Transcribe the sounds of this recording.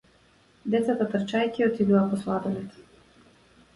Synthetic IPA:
d̪ɛt̪sat̪at̪rt͡ʃajcʲiɔt̪id̪uvapɔslˠad̪ɛnɛt̪

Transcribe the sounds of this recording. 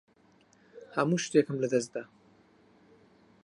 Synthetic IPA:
hɐmuʃt̪ekɨmlɐd̪ɐs̚d̪aː

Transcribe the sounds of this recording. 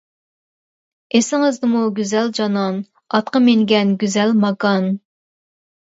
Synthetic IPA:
esɪŋɪzd̪ɨmuɡʲyzɛld͡ʒɑnɑn | ɑt̪̚qɑmeŋɡʲɛnɡʲyzɛlmɑkɑn

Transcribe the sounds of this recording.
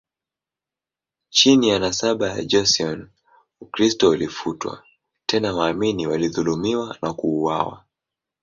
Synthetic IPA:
t͡ʃinijanasaɓaja̰d͡ʒɔsiɔn | ukɾistɔulifutwa̰ | tʰɛnawaːminiwaliðulumiwanakuːwawa̰

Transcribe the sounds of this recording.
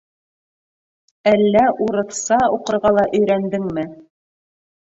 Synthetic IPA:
ælːæuɾɤ̆θsɑuqɤ̆ɾʁɑlˠɑʔɵ̆jɾænd̪ɘŋmɘ

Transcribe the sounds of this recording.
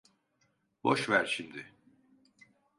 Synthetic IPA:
boʃvæɾʃimd̪ɪ

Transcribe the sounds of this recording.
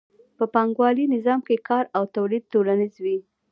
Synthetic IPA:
pəpɑŋɡwɑlinɪzɑmkekɑɾawt̪awlid̪̚t̪olanizwi

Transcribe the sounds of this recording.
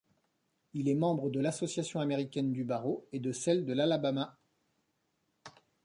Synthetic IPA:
ilɛmɑ̃bʁəd̪əlasɔsjasjɔ̃ameʁikʲɛnd̪ybaʁoed̪əsɛld̪əlalabama

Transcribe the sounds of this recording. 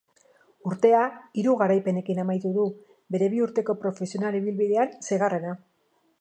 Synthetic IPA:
uɾt̪e̞aiɾuɣaɾajpe̞ne̞kinamajt̪uðu | be̞ɾe̞β̞iuɾt̪e̞ko̞pɾo̞fe̞sio̞naliβilβiðe̞anseɣarena

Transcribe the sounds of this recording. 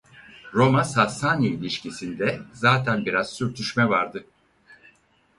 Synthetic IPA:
ɾo̞masasaniilʲiʃcisind̪ɛzaːt̪ʰænbiɾazsyɾt̪ʰyʃmɛvaɾd̪ɯ

